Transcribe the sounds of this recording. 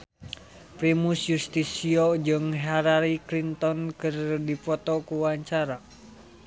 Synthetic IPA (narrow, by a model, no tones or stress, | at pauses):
pɾimusjust̪isiod͡ʒɨŋɦaɾaɾiklint̪ɔnkɨrdifɔt̪ɔkuwaɲt͡ʃaɾa